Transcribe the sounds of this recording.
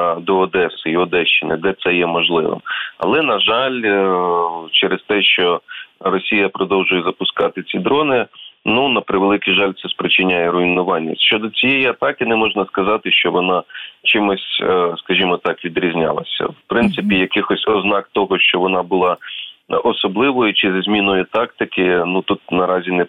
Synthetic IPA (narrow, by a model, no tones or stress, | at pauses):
d̪ɔːd̪ɛsʊiɔd̪ɛʃt͡ʃːɪnʲɐ̰d̪ɛt̪sɛjɛmɔʒlˠɪ̰ʋɪ̰mɐ̰lˠɛnɐʒɑlʲ | t͡ʃɛɾest̪ɛʃt͡ʃɔrɔsʲijɐpɾɔd̪ɔwʒʊjɛzɐpʊskɑt̪ɪt͡sʲid̪ɾɔnɪnunɐpɾɪʋelˠɪkiʒɑlʲt̪sɛspɾɪt͡ʃɪnʲajɛɾʊinʊʋɑnʲːɐ̰ʃt͡ʃɔd̪ɔt͡sʲijɛjiɐt̪ɑkɪnɛmɔʒnɐskɐzɑt̪ɪʃt͡ʃɔʋɔnɑt͡ʃɪmɔsʲskɐʒʲimɔt̪ɑkʋʲid̪ɾʲizʲnʲɑ̰lˠɐ̰sʲɐ̰wpɾɪnt̪sɪpʲijɐkɪxɔsʲɔznɑkt̪ɔɦɔʃt͡ʃɔʋɔnɑbʊlˠɑ | ɔsɔblˠɪʋɔjʊt͡ʃɪzʲzʲmʲinɔjɛt̪ɑkt̪ɪkɪnut̪ut̪̚nɐɾɑzʲinɛ